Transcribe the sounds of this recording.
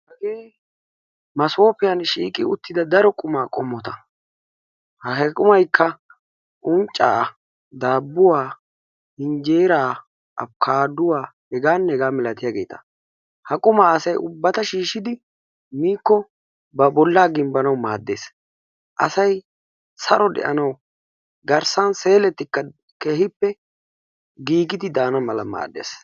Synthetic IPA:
hɐɡeː | mɐso̞ːpɪjɐnʃḭːkʼɪʊt̪ːɪd̪ɐd̪ɐɾɔkʼʊmaːkʼɔmːɔt̪ɐ | hɐɦɛkʼʊmɐjkːɐ | ʔʊnt͡ʃʼːa̰ː | d̪aːbːʊwaː | hɪnd͡ʒeːɾaː | ʔɐ̰pkʰaːd̪ʊwaː | hɛɡaːnːɛɛɡaːmɛlɐt̪ɪjaːɡe̞ːt̪ʰɐ̥ | hɐkʼʊmaɐsɐjʔʊbːɐt̪ɐʃiːʃɪd̪ɪ | miːkːɔ | bɐbɔlːaːɡɪmbɐnɐwmaːd̪ːe̞ːs | ʔɐsɐj | sɐɾɔd̪ɛ̰ʔɐnɐw | ɡɐɾsɐnse̞ːlɛt̪ːɪkːɐ | keːhɪpːɛ | ɡiːɡɪd̪ɪd̪aːnɐmɐlɐ̰ma̰ːd̪ːḛːs

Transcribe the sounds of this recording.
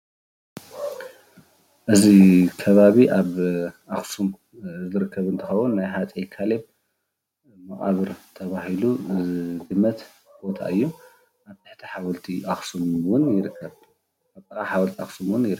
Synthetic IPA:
ʔɨzikʰɐβaβiʔaβʔaxsum | zɨɾɨkʰːɐβɨnt̪ʰɨxɐwunːajɦat͡s̪ʼikʰaleb | mɐχʼa̰βɨɾt̪ʰɐβaɦilud̪ɨmːɐt̪ | b̥o̞t̪ʰa̰ʔɨjːu | aβt̪ʰɨ̥ħt̪ʰiħawɐlt̪ʰiʔaxsumwʊnjɪɾɨkʰːɐβ | aβt̪ʼɐkʼaħawɐlt̪ʰiaxsumwʊnjɪɾɨ

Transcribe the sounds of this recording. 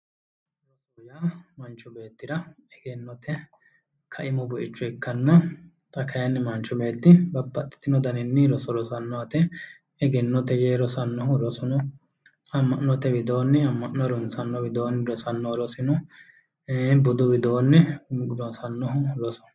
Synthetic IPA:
ɾɔsojaːmɐnt͡ʃːʊbe̞ːt̪ːɪɾɐɛɡɛnːɔt̪ʰɛ | kʰɐʔɪmɔbɔʔɪt͡ʃːʊɛkːɐnːɐ | t̪ʼɐkʰɐjɐnːɪmɐnt͡ʃːɔbe̞ːt̪ːɪbɐbːɐt̪ʼːɪ̥t̪ːɪnɔd̪ɐnɪnːɪɾɔsɔɾɔsɐnːɔɐt̪ɛ | ɛɡɛnːɔt̪ɛjeːɾɔsɐnːɔɦʊɾɔsɔnɔ | ɐmːɐnːɔt̪ɛbɪd̪o̞ːnːɛɐmːɐʔɔɾɔnsɐnːɔwɪd̪o̞ːnːɪɾɔsɐnːɔɾɔsɪnɔ | bʊd̪ɔbɪd̪oːnːɛɾɔsɐnːɔɦʊlɔsɔ̥

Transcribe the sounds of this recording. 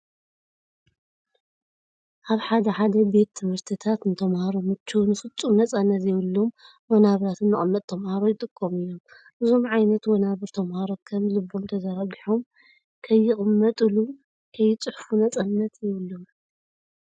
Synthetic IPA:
ʔaβħad̪ɐħad̪ɐbe̞t̪ʰːɨmhɨɾt̪ʰɨt̪ʰat̪nt̪ʰɐmhaɾomɨt͡ʃʰːunɨfɨt͡sʼːumnɐt͡sʼanːɐt̪jɛβɨlːom | wonaβɾat̪ʰɨnːɨχʼɨmːɐt̪̚ʼt̪ʰɐmhaɾojɪt̪ʼɨkʼːomɨjːom | ʔɨzo̞mʕajnɐt̪wonaβɨɾt̪ʰɐmhaɾokʰɐmlɨbːomt̪ʰɐzaɾaɡiħom | kʰɐjːɪχʼɨmːɐt̪ʼɨlu | kʰɐjːɪt͡sʼɨħfunɐt͡sʼanːɐt̪jɪβɨlːom

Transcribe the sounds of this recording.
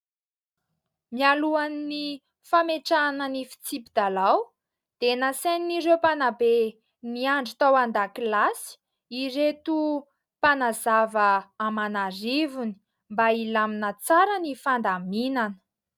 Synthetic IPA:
mialuanini | fameʈ͡ʂanənifi̥t͡sipid̪alaw | d̪̥enaseniniɾewpanabe | niaɳɖ͡ʐit̪awand̪akilasi̥ | iret̪u | panazavəːmanaɾivuni̥ | mbailaminət͡saɾənifand̪aminanə̥

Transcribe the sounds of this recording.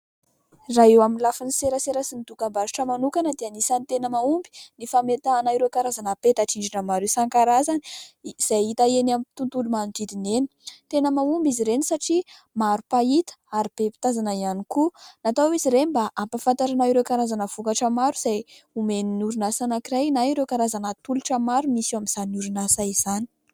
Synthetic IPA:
raɦewaminlafiniseɾəseɾəsinit̪ukambaziʈ͡ʂəmanukanəd̪eanisanit̪enəmaumbi̥nifamet̪aanaiɾekaɾazanapet̪aʈ͡ʂiɳɖ͡ʐinəmaɾesaŋkaɾazaniz̥ajit̪aenamit̪unt̪ulumanut̪id̪ineni̥t̪enəmaumbiziɾenisaʈ͡ʂi | maɾupait̪ə̥aɾib̥epi̥t̪azanaianikunat̪awiziɾenibaʔampafant̪aɾanaiɾekaɾazanəv̥ukaʈ͡ʂəmaɾuz̥ajumeninuɾunasanakiɾajnaiɾekaɾazanat̪uluʈ͡ʂəmaɾumisamiz̥anuɾunasaiz̥ani̥

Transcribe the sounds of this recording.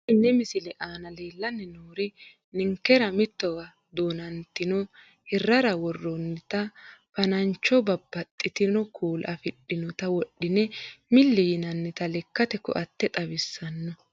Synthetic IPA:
nːɛmɪsɪlɛʔaːnɐle̞ːlːɐnːɛnoːɾɪ | nɪŋkːɛɾɐmɪt̪ːɔɡɐ | d̪oːnɐnt̪ːɪnɔ | hɛrːɐɾɐwɔrːɔnːɪt̪ɐfɐnɐɲt͡ʃːɔbɐbːɐt̪ʼːɪt̪ɪnɔkʰuːlʔɐfɪɗːɪnɔt̪ɐwɔɗːɪnɛmɪlːɛjɪnɐnːɪt̪ɐlɛkːɐt̪ɛkɔ̰ʔɐt̪ːɛt̪ʼɐbɪsːɐnːɔ

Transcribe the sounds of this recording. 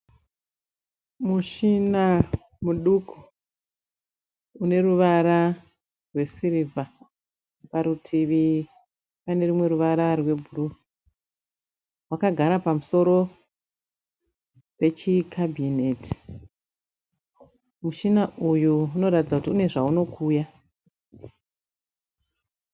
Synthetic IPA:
muʃina | muɗuku̥ | une̞ruʋaɾa | rwe̞siɾivʱa | paɾutʰiʋi | pane̞rumwe̞ɾuʋaɾarwe̞bʱuɾu | wakaɡʱaɾapamuso̞ɾo̞ | pe̞t͡ʃikʰabʱinetʰi̥ | muʃinaʔujuuno̞ɾatid͡zakutiune̞ʐauno̞kʰuːja

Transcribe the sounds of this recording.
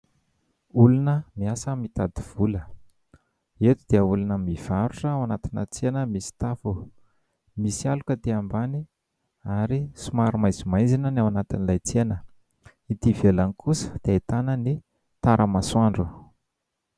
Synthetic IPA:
ulunəmiasəmit̪ad̪iv̥ulə | et̪ud̪̥eəulunəmiv̥aɾuʈ͡ʂəawanat̪inə̰t͡senəmisi̥t̪afu | misialukət̪eambani | aɾisumaɾumajzimajnd͡zinənawanat̪inilajt͡senə | it̪ivelanikʰusə̥d̪̥eet̪anəni | t̪aɾʔəmaswaɳɖ͡ʐu

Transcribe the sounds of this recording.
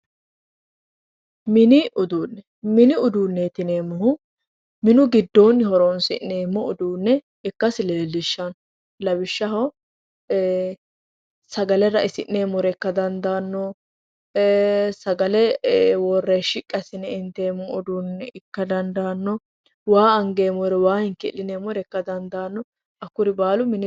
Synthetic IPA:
mɪnɪʔʊd̪uːnːɛ | mɪnɪʊd̪uːnːet̪ɪneːmɔhʊ | mɪnʊɡɪd̪ːoːnhɔɾonsɪ̰nːeːmːɔʊd̪uːnːɛ | ɪkːɐsɪleːlːɪʃːɐn | lɐbɪʃːɐhɔ | sɐɡɐlɛɾɐʔɪsɪnːeːmɔɾɛkːɐd̪ɐnd̪aːnːɔ | sɐɡɐlɛwɔrːeʃɪkʼːɐsɪnɛɪnt̪ːeːmɔʊd̪uːnːɛɪkːɐd̪ɐnd̪aːnːɔ | waːɐŋɡe̞ːmɔɾɛwaːhɪŋkɪlːɪneːmɔɾɛkːɐd̪ɐnd̪aːnːɔ | ɐkːʊɾɪbaːlʊmɪnɪ

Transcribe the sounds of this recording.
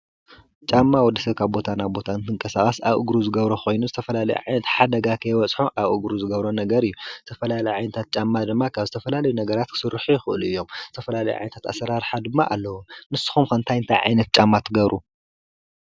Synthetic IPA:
t͡ʃʼamːawɔd̪ɐsɐβkʰaβbo̞t̪ʰanabo̞t̪ʰanɨt̪ʰɨŋkʼɐsaxʼɐsa̰βʔɨ̰ɡɾuzɨɡɐβɾoxo̞jnuzɨt̪ʰɐfɐlalɐjṵʕajnɐt̪ħad̪ɐɡakʰɐjwɐt͡sʼħuʔaβʔuɡɾuzɨɡɐβɾonɐɡɐɾɨjːuz̥ɨt̪ʰɐfɐlalɐjʕajnɐt̪ʰat̪̚t͡ʃʼamːad̪ɨmːakʰaβzɨt̪ʰɐfɐlalɐjunɐɡɐɾat̪̚kʰɨ̥sɨɾːɨħujɪxɨʔɨluɨjːo̞mz̥ɨt̪ʰɐfɐlalɐjuʕa̰jnɐt̪at̪a̰sɐɾaɾħad̪ɨmːaʔalːɐwunɨsːɨ̥xumkɐnt̪ʰajɨnt̪ʰajʕa̰jnɐt̪̚t͡ʃʼamːat̪ʰɨɡɐβɾʔu

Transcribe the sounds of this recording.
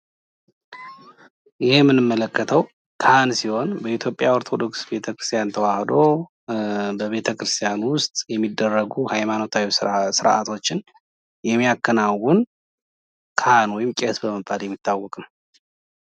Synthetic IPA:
jɪhemːɨnɨmːələkʰːət̪ʰəw | kʰansiho̞nbəit̪ʰjo̞pʼjaoɾt̪ʰo̞d̪o̞ksbe̞t̪ʰəkɾɨ̥st̪ʰʼijant̪ʰəwahd̪o̞ | bəβe̞t̪ʰəkʰɾɨst̪ʰijanwʊst̪ʼjɛmːid̪ːərːəɡuhajmano̞t̪ʰawisɨɾʔa̰t̪ʰo̞t͡ʃːɪn | jɛmːijakːənawun | kʰanwɔjɪmkʼesbəməbʼaljɛmːit̪ʰːawːɔkʼnəw

